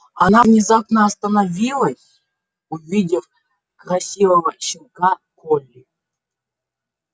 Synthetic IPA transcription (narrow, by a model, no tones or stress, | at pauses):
ɐnavnʲɪzapnəːst̪ənavʲilˠəsʲ | uvʲidʲɪf | krɐsʲivəvəɕɪnkakolʲːi